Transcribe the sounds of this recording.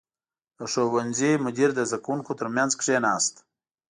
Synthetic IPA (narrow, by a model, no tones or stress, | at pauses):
əʂowanzimʊd̪iɾd̪əzakwuŋkot̪əɾmjanzkʂenɑːst̪